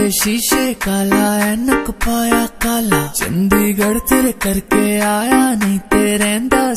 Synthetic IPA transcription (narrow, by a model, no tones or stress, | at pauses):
eʃiːʃeːkaːlaːɛnɐkpaːjaːkaːlaːd͡ʒɐ̰nd̪iːɡɐɽt̪eɾkɐɾkeaːjaːniːt̪eːɾɛ̃ːnd̪aː